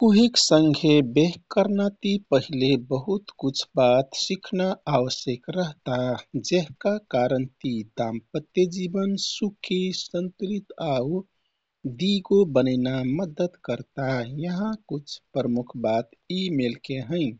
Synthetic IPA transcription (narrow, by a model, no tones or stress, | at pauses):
kuɦiksəŋɡʱebeɦkəɾnat̪ipəɦilebəɦut̪kut͡ʃʰbat̪sikʰnaawəsjekɾəɦt̪ad͡ʒeɦkakaɾənt̪id̪ampət̪jed͡ʒibənsukʰisənt̪uɾit̪au | d̪iɡobənəɪnaməd̪əd̪kəɾt̪ajəɦãkut͡ʃʰpɾəmukʰbat̪imelkeɦə̃ɪ̃